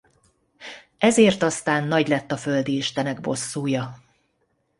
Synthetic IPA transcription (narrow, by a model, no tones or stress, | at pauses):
ɛzeːrt̪ɒst̪aːnːɒɟlɛt̪ːɒfø̞ld̪iiʃt̪ɛnɛɡbo̞̰sːuːjɒ